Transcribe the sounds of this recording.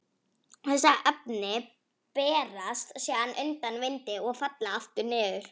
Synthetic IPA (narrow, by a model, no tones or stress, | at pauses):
θɛs̬ːaʔɛp̚nɪ | pɛːɾast̪sjɛːðanʔʏnt̪anvɪjnt̪ɪɔɣfat̪laaft̪ʏɾnɪːðʏɾ̥